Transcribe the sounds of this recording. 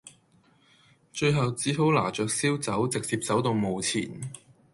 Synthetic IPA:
t͡ʃɵ˧ɥɦɐ˨wt͡siː˨˥ɦo˨˥wla̰ː˨˩t͡ʃœː˨˧k̚siː˥wt͡sɐ˨˥wt͡sɪ˨k̚t͡siː˧p̚t͡sɐ˨˥wt̪o˧wmo˨˧wt͡sʰḭː˨˩n

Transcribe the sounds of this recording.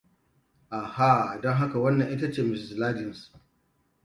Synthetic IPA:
ʔaː˨ha˦˨dɔ˦ŋɦa˦ka˨wɐ˦nːɐ˨ŋʔɪ˦ta˦t͡ʃeː˨mɪ˨szlaː˦d͡ʒɪ˨ns

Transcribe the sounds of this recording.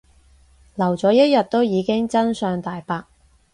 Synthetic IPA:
lɐ˨˩wt͡sɔː˨˧˥jɐ˥t̚jɐ˨t̚t̪ːo˥wjiː˨˧kɪ˥ŋt͡sɐ˥nsœː˨˧ŋt̪aː˨jpaː˧k̚

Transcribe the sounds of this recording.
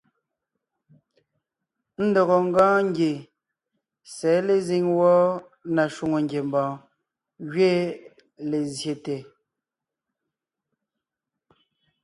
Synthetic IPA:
n̩˦dɔ˨ɣɔ˨ŋ˦ɡãː˦ŋ̩˦ɡje˨ | sɛː˨˦le˨zi˨ŋwɔ˦ | na˨ʃu˦ŋo˨ŋɡje˨mbãː˨ | ɣɥe˦ | le˨zje˨te˨

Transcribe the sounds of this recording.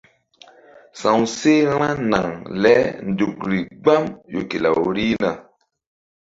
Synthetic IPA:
sã˨wse˦ɾ̃ã˦na˨ŋlɛ˨˦n̩˨du˨k̚ɾi˨ɡ͡ba˦mjo̰˨ke˨la̰˨wɾi˦na˨

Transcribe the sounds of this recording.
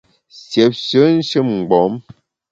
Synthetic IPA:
sje˨p̚sə˨˦n̩˦ʃɨ˦mŋ̩˨ɡ͡bɔ˨˦m

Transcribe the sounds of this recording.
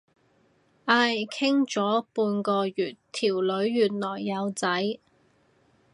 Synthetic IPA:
ʔaː˧jkʰɪ˥ŋt͡sɔː˨˥puː˧nkɔː˧jyː˨˩tt̪ʰiː˨˩wlɵ˨˧˥ɥːyː˨˩t̚lɔː˨˩jːɐ˨˧wt͡sɐ˨˥j

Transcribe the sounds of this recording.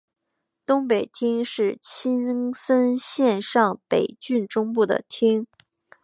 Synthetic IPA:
t̪ʊ˥ŋpe˨˩ɪt̪ʰi˥ŋʂɻ̩˥˩t͡ɕʰi˥nsə˥nɕjɛ˥˧nʂɑ˥˩ŋpe˨˩ɪt͡ɕy˥˩nʈ͡ʂʊ˥ŋpu˥˩d̪ə̰˩t̪ʰi˥ŋ

